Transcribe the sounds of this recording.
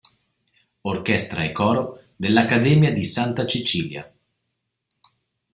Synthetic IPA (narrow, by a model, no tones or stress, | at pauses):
orkɛst̪ɾaekːɔːɾo | d̪elːakːad̪ɛːmjad̪isant̪at͡ʃit͡ʃiːlja̰